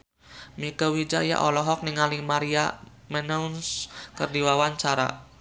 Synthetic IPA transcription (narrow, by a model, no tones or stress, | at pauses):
mikəwid͡ʒaja̰ʔɔlɔɦɔk̚nɪŋalɪŋmaɾia̰ | mɛnɛunskərdiwawaɲt͡ʃaɾa̰